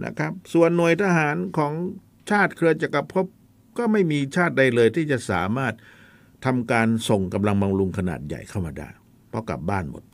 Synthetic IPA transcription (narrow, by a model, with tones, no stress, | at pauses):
nʔa̰˦˥kʰɾa˦˥p̚su˨˩ənːu˨˩əjt̪ʰa˧ɦaː˩˦nkʰɔː˩˦ŋ | t͡ɕʰaː˥˩t̪̚kʰɯ˧ɐt͡ɕa˨˩kːa˧pʰo˦˥p̚ | kɔː˥˩ma˥˩jmiː˧t͡ɕʰaː˥˩t̪̚da˧jlɤː˧jt̪ʰiː˥˩t͡ɕa˨˩ʔsa̰ː˩˦maː˥˩t̪̚ʰː | a˧mkaː˧nso˨˩ŋka˧mla˧ŋba˧ŋlu˧ŋkʰa˧na̰ː˨˩t̪̚ja̰˨˩jkʰa˥˩wmaː˧da̰ː˥˩j | pʰɔ˦˥ka̰˨˩p̚baː˥˩nmo̰˨˩t̪̚